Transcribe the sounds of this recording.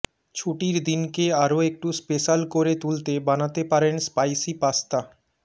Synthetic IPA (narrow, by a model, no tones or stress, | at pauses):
t͡ɕʰuʈiɾd̪inkeaɾoek̚ʈuspeʃalkoɾet̪ult̪ebanat̪epaɾenspajsipast̪a